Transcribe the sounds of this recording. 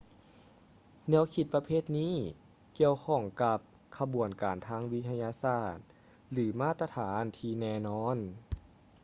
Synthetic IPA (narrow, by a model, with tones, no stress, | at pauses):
nɛ˧˥˨wkʰi˧˩t̪̚pa˧pʰeː˥˩t̪̚niː˧˥˨ | ki˧əwkʰɔ˧˩ŋka˧p̚ | kʰa˧bu˨˩ənkaː˨˩nt̪ʰaː˧˥˨ŋwi˧˥t̪ʰa˧jaː˧saː˧˩t̪̚ | lɯː˩˦maː˥˩t̪a˧t̪ʰaː˩˦nt̪ʰiː˧nɛː˧nɔː˧˥˨n